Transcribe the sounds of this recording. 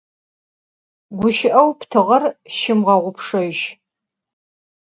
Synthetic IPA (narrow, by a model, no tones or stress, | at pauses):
ɡʷʊʃɪʔɐwptʰɨʁɐrʃɪmʁɐʁʷʊpʰʂɐʒ